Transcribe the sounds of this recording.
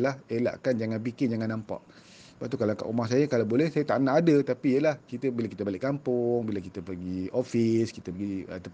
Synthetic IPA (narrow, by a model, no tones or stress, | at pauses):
lahela̰ʔkand͡ʒaŋanpikɪnd͡ʒaŋanːampa̰ʔ | səbat̪ukalaka̰ʔumahs̬ajakalabolɛhsajat̪aʔnaʔːdət̪apijəlahkit̪əbilakit̪əbalɪʔkampʊŋbilakit̪əpəɡiofiskit̪əpəɡiət̪ə